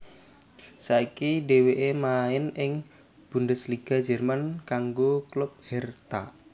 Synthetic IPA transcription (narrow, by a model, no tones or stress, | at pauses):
saikiɖeweʔemaɪnʔɪŋ | b̥ṳndəsliɡ̥a̤̥d͡ʒərmankaŋɡoklʊp̚hɛrt̪a̰